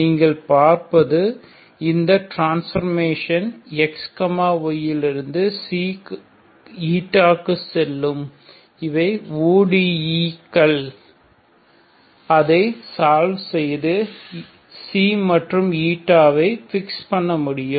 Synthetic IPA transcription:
niːŋɡɐɭpaːɾpɐðɯ | ɪnd̪ɐʈɾaːnsfɐɾmeːʂɐnɛkskɐmaːɔjɪlɪɾɯnd̪ɯsi | iːʈːaːkːɯsɛlːɯm | ɪʋɐɪuːɽiiːkːɐɭ | ɐðɐɪsaːlʋsɛjðɯ | siːmɐʈrɯmiːʈːaːʋɐɪfɪkspɐɳːɐmʊɽɪjɯm

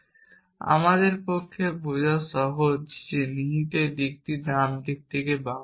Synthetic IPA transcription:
a̰mad̪eɾpokʰːebud͡ʑaʃɔɦod͡ʑd͡ʑeniɦiʈ̪ed̪ik̚t̪id̪amd̪ik̚t̪ikeba

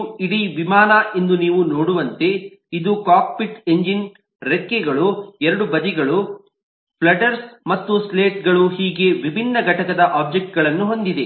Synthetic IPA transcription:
iɽiʋimaːnɐʔe̞nd̪uniːʋunoːɽuʋɐnt̪e̞ | id̪ukaːk̚piʈeɲd͡ʒin | ɾekːeɡɐɭuɛɾɐɽubɐd̪iɡɐɭu | pɭɐʈɐɾsmɐt̪ːusleːʈ̚ɡɐɭuɦiːɡe̞ʋibʱinːɐɡʱɐʈɐkɐd̪ɐʔaːb̚d͡ʒek̚ʈ̚ɡɐɭɐnːuɦo̞nd̪id̪e

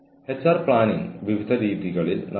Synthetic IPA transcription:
het͡ɕɐrpɭaːniŋʋiʋid̪ʱɐɾiːðiɣɐɭilnʔɐ

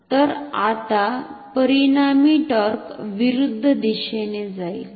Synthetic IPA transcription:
t̪əɾat̪apəɾinamiʈəɾkʋiɾud̪ʱːd̪iɕened͡zajl

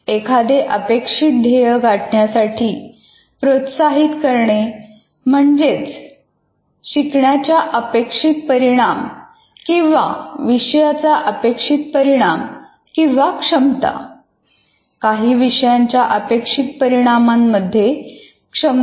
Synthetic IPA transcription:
ekʰad̪eʔəpekʂit̪̚d̪ʱejəɡʱaʈɳjasaʈʰiː | pɾot̪saɦit̪kəɾɳe | m̤əɳd͡zet͡s | ɕikɳjat͡ɕjaʔəpekʂit̪̚pəɾiɽ̃am | kĩw̃ʋa̰ʋiɕjat͡saʔəpekʂit̪̚pəɾiɽ̃am | kĩw̃ʋakʂəmt̪a̰ | kaɦiːʋiɕjaɲt͡ɕjaʔəpekʂit̪̚pəɾiɽ̃amamːəd̪ʱːje | kʂəm

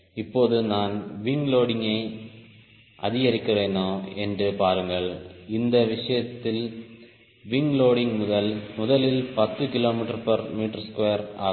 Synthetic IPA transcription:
ɪpːoːðɯnaːnʋɪŋɡloːɽɪŋɡɐɪ | ʔɐ̰ðɪɣɐɾɪkːɪreːnoːɛndrɯpaːɾɯŋɡɐɭɪnd̪ɐʋɪʂɐjɐt̪ːɪl | ʋɪŋɡloːɽɪŋmʊðɐlmʊðɐlɪlpɐt̪ːɯkɪloːmɪʈːɐɾpɐɾmiːʈːɐɾskʋeːɐɾa̰ː

